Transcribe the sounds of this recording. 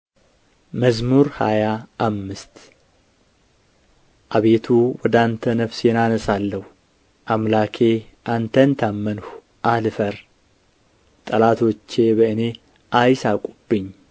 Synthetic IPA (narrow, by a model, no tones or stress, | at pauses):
məzmuɾhajaʔːmːɨst̪ | ʔaβe̞t̪ʰuwɔd̪ant̪ʰənəfsjɛnanəsalːəhu | ʔamlakʰe̞ʔant̪ʰənt̪ʰamːənh | ʔalfəɾ | t̪ʼəlat̪ʰot͡ʃːe̞βəɨne̞ | ʔajsakʷʼub̥ːɨɲː